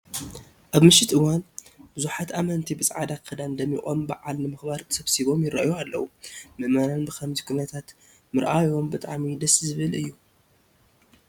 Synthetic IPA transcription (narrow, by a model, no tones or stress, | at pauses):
ʔaβmɨʃɪt̪ɨwanbɨzuħat̪ʔamɐnt̪ʰibɨt͡sʼʕad̪akʰɐd̪and̪ɐmiχʼonba̰ʕalnɨmɨxbaɾt̪ʰːsɐβsiβo̞mjɪɾɐʔjoalːɐ̰wumɨʔmɐnanbɨkɐmzikʰunɐt̪ʰat̪ | mɨɾʔajo̞mbɨt̪ʼaʕmid̪ɐszɨβɨlɨjːu